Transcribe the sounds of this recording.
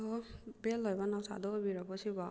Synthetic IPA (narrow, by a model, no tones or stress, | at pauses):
ɔbelːɔjbanawsa̰d̪ɔːbiɾak̚ʰɔsiba